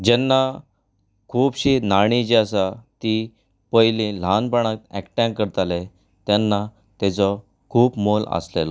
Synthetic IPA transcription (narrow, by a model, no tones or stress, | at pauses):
d͡ʑɛnːa | kʰuːbɕinaɽ̃id͡ʑiasat̪i | pəjlĩl̤anpəɳ̃ak̪ɛ̰kʈãŋkːəɾt̪ale | t̪ɛnːa | t̪ɛt͡sɔ | kʰuːpmolə̰slela